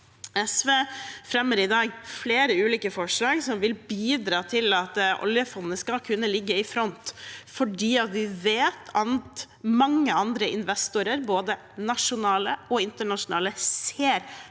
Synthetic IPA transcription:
ɛsʋeːfɾɛmːəɾɪd̪ɑːɡfleːɾəʉːliːkəfɔʂlɑːɡsɔmʋɪlbiːd̪ɾɑːt̪ʰɪlɑt̪ʔɔ̰ljəfɔnnəskɑlkʰʉnːəlɪɡːəɪfɾɔnt̪fɔɖiːɑt̪ʋɪʋeːt̪ʰɑnt̪ | mɑŋːəɑnd̪ɾəʔɪnʋɛst̪ʊɾəɾboːd̪ə | nɑʂʊnɑːləɔɪnt̪əɳɑʂʊnɑ̰ːləseːɾ

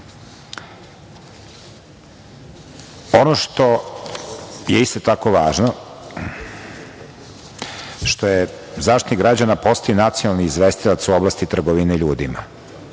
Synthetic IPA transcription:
o̞noʃt̪o̞ | jeist̪ot̪akoʋaːʒno | ʃt̪oje | zaːʃt̪niɡɾad͡ʑanapo̞st̪ajonat̪sionalniizʋest̪ilat̪suoblˠast̪it̪r̩ɡoʋineiʎuːd̪ima̰

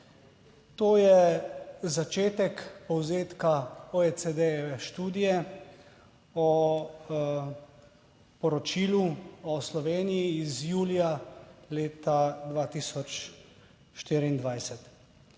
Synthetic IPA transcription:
t̪oːjɛ | zat͡ʃeːt̪ɛkpɔwzeːt̪kaɔet͡s̪ed̪ɛjɛʋɛʃt̪uːd̪ijɛ | ɔ | pɔɾɔt͡ʃiːluɔslɔʋeːnijiːzjuːlijaleːt̪ad̪ʋaːt̪isɔt͡ʃ | ʃt̪iːɾiind̪ʋajsɛt̪

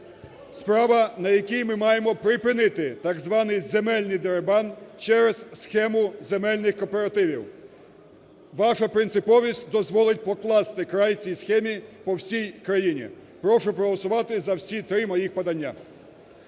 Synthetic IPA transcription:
spɾɑʋɐnɐjɐkʲijmɪmɑjemɔpɾɪpɪnɪt̪ɪt̪ɑɡzʋɑnɪjzemɛlʲnɪjd̪eɾebɑnt͡ʃɛɾezsxɛmʊzemɛlʲnɪxkɔpeɾɐt̪ɪʋʲiw | ʋɑʃɐpɾɪnt̪sɪpɔʋʲisʲtʲd̪ɔzʋɔlˠɪt̚ʲpɔklˠɑst̪ɪkɾajt͡sʲijsxɛmʲipɔwsʲijkɾɐjinʲḭpɾɔʃʊpɾɔɦɔlˠɔsʊʋɑt̪ɪzɐwsʲit̪ɾɪmɔjixpɐd̪ɐnʲːa

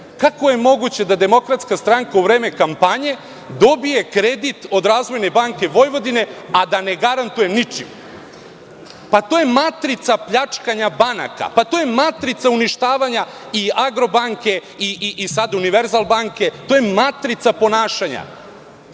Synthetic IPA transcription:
kako̞je̞mo̞ɡut͡ɕe̞d̪ad̪e̞mo̞kɾat̪skast̪ɾaŋkauʋɾeːme̞kampaɲe̞ | d̪o̞bije̞kɾe̞d̪it̪o̞d̪ɾaːzʋo̞jnebaŋke̞ʋo̞jʋo̞d̪ine̞ad̪ane̞ɡaɾant̪ujemnit͡ʂḭm | pat̪o̞ːje̞mat̪ɾit̪sapʎat͡ʂkaɲabana̰ka̰pat̪ojemat̪ɾit̪sauniʃt̪aːʋaɲa | iaɡɾo̞baŋke̞ | iʔiʔisad̪uniʋe̞ɾzalˠbaŋke̞t̪o̞ːjemat̪ɾit̪sapo̞naːʃaɲa̰

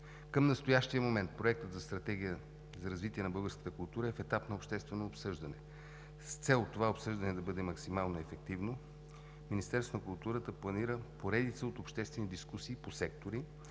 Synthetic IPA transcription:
kəmnɐst̪ojaʃt̪iəmomɛnt̪̚pɾoɛk̚t̪ət̪zɐst̪ɾɐt̪ɛɡ̟ʲijə | zɐɾɐzvit̪iɛnɐbɤlˠɡəɾskə̥t̪əkʊlˠt̪uɾəɛfɛt̪apnɐopʃt̪ɛst̪vɛnoːpsɤʒd̪ɐnɛ | st̪sɛlˠt̪ovaopsɤʒd̪ɐnɛd̪ɐbɤd̪ɛmɐksimalˠnoɛfɛk̚t̪ivno | minist̪ɛɾst̪onɐkulˠt̪uɾət̪əplˠɐniɾəpoɾɛd̪it̪səot̪opʃt̪ɛst̪vɛnid̪iskusiːposɛkt̪oɾi

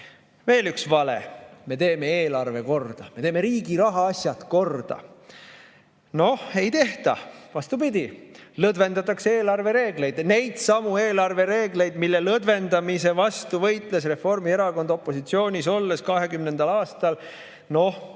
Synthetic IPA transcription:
ve̞ːlyksvɑle̞̰me̞t̪e̞ːme̞eːlɑrve̞ko̞rd̪̥ɑme̞t̪e̞ːme̞ɾiːɡ̥iɾɑɦɑɑsʲjɑt̪ko̞rd̪̥ɑ̰ | no̞he̞jt̪e̞ht̪ɑ̰vɑst̪upid̪̥ʲilɤd̪ve̞nd̪̥ɑt̪ːˑɑkseeːlɑrve̞ɾe̞ːɡle̞jd̪̥ne̞jd̪̥sɑmue̞ːlɑrve̞ɾe̞ːɡle̞jd̪̥milːelɤd̪̥ve̞nd̪ɑmise̞vɑst̪uvɤjt̪ˑle̞s̬re̞fo̞rmie̞ɾɑko̞nd̪opːˑo̞sit̪sio̞ːnʲiso̞lːeskɑɦe̞kymnend̪̥ɑlɑːst̪ɑl | no̞h

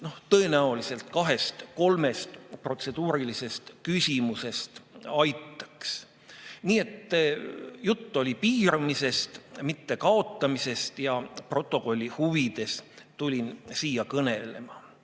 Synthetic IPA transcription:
no̞ht̪ɤe̞næolise̞lt̪kɑɦe̞st̪ko̞lme̞st̪pro̞t̪se̞d̪uːɾilise̞st̪kysʲimuse̞st̪ɑjt̪ːˑɑ̥ks | niːe̞t̪ːˑjut̪ˑːo̞lʲipiːɾɑmise̞st̪mit̪ːe̞kɑo̞t̪ˑːɑmise̞st̪jɑpro̞t̪ːˑo̞ko̞lʲːihuvid̪̥e̞s | t̪ulʲinsiːjɑkɤne̞le̞̰mɑ

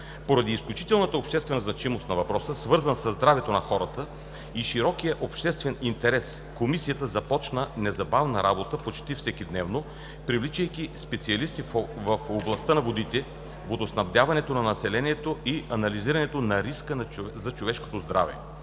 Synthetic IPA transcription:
poɾɐd̪iːsklʲut͡ʃit̪ɛlˠnət̪əopʃt̪ɛst̪vɛnəznɐt͡ʃimost̪nɐvɐpɾɔsəsvɤɾzənsəzd̪ɾavɛt̪onɐxɔɾɐt̪ə | iʃiɾɔkijəʔopʃt̪ɛst̪vɛnint̪ɛɾɛs | komisijət̪əzɐpɔt͡ʃnənɛzɐbavnəɾʔabot̪əpot͡ʃt̪ifsɛkid̪nɛvno | pɾivlit͡ʃəjk̟ispɛt̪siɐlist̪ivəfoblˠɐst̪ənɐvod̪it̪ɛ | vod̪osnɐvd̪javɐnɛt̪onɐnɐsɛlɛniɛt̪oiʔɐnɐliziɾɐnɛt̪onɐɾiskənɐzɐt͡ʃovɛʃko̥t̪ozd̪ɾa̰vɛ̰

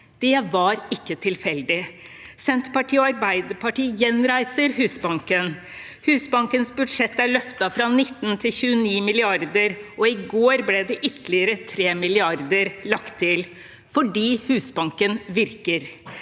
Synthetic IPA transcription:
d̪̥ɛʋɑɾɪkːət̪ʰɪlfɛld̪ɪ | sɛnt̪pɑʈʰiːɔɑɾbæɪd̪əpʰɑʈiːjɛnɾæɪsəɾɦʉːsbɑŋkən | hʉːsbɑŋkənsbʉd̪ʂɛt̪ːæɭœft̪ɑfɾɑnɪt̪ːnt̪ʰɪlçʉːəniːmɪlɪɑɾd̪əɾʔɔɪɡoːɾblɛd̪ɛʔʏt̪ʰlɪəɾət̪ʰɾeːmɪlɪɑɾd̪əɾlɑkt̪ʰːɪl | fɔɖiːhʉːsbɑŋkənʋɪɾkəɾ

